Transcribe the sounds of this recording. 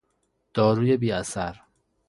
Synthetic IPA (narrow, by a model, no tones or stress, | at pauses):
d̪̥ɒːɾuːje̞biːæsæɾ